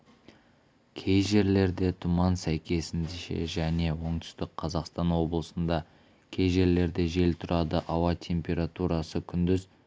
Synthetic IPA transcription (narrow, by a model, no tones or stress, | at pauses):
kʲʰe̞jʒe̞ɾle̞ɾd̪e̞t̪ʰʊmɑnsæjkʲe̞sɪnd̪eʃḛʒæne̞wo̞ɴt̪ʰʏ̥st̪ɪk̚qʰɑzɑqst̪ɑnwo̞blˠəsənd̪ɑ | kʲʰe̞jʒe̞ɾle̞ɾd̪e̞ʒe̞lt̪ʰʊɾɑd̪əʔɑwɑt̪ʲʰe̞mpʲe̞ɾat̪uɾɑsəkʲʰʏnd̪ɪz